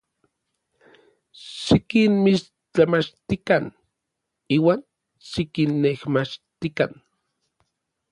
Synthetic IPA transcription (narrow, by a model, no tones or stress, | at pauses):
ʃikinmiʃ | t͡ɬamat͡ʃt̪ikan | iːwaːn | ʃikinːehmat͡ʃt̪ikan